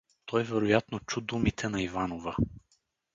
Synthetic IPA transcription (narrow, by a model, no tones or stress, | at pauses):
t̪ʰɔjvɛɾojat̪not͡ʃud̪umit̪ʰɛnɐivanovə